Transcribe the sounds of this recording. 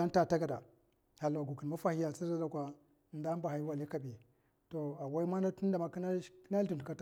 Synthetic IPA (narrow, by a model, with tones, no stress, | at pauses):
a˦n˦ta˦˨ta˦ɡa˨da˨ | ha˨la˨ɡu˨ki˨nma˦fa˦hi˦ja˨si˦za˦da˨kʷa˨ | nda˦mba˨ha˨˦i˦wa˨li˦ka˨bi˨ | to˨a˨wa˦i˦ma˦na˦tu˦n˦da˨ma˨kn˦kna˦u˨n˨u˨ka˦t